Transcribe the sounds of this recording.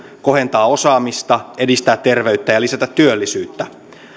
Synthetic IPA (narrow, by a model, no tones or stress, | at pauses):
ko̞ɦe̞nt̪ɑːo̞sɑːmist̪ɑe̞dist̪æːt̪t̪ːe̞rʋe̞yt̪ːæjɑlisæt̪æt̪ːyølːisyːt̪ːæ